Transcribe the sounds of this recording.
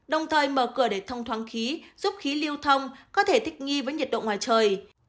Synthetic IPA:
ɗə˨˩wŋ͡mt̪ʰəː˨˩jməː˧˩kɨ˧˩əɗe˧˩t̪ʰə˧wŋ͡mt̪ʰwaː˨˦nxi˨˦zu˦˥p̚xi˨˦li˧əwt̪ʰə˧wŋ͡mkɔ˨˦t̪ʰe˧˩t̪ʰi˦˥k̚ŋi˧vəː˨˦jɲi˨˩t̚ɗo̰˧˨ŋwaː˨˩jt͡ɕəː˨˩j

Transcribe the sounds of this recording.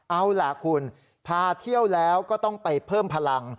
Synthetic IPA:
ʔa˧wla˨˩kʰu˧n | pʰaː˧t̪ʰi˥˩əwlɛː˦˥wkɔː˥˩t̪ɔ˥˩ŋpa˧jpʰɤː˥˩mpʰa˧la˧ŋ

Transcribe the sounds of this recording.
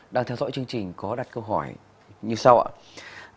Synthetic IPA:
ɗaː˧ŋt̪ʰɛ˧wzɔ̰˧˥jt͡ɕɨ˧əŋt͡ɕï˨˩ŋ̟kɔ˨˦ɗaː˨˩t̚kə˧wɦɔ˧˩j | ɲɨ˧sa˧wʔa̰ː˧˨

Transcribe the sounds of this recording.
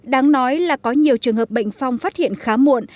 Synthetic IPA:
ɗaː˨˦ŋnɔ˨˦jlaː˨˩kɔ˨˦ɲi˨˩əwt͡ɕɨ˨˩əŋɦəː˨˩p̚ɓə̰˧˨jŋ̟fa˧wŋ͡mfaː˦˥t̚hḭ˧˨ənxaː˨˦mu˧˨ən

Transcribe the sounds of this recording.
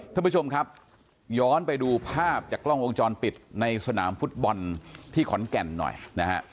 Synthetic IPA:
t̪ʰa˥˧mpu˦˥t͡ɕʰo˧mkʰa˦˥p̚ | jɔː˦˥npa˧jduː˧pʰaː˥˩p̚t͡ɕaː˨˩klɔ˥˩ŋʔo˧ŋt͡ɕɔː˧npi˨˩t̪̚na˧jsa˧na̰ː˩˦mfu˦˥t̪̚bɔ˧nt̪ʰiː˥˩kʰɔ˩˦nkɛ˨˩nːɔ̰˨˩jna˦˥ha̰˦˥ʔ

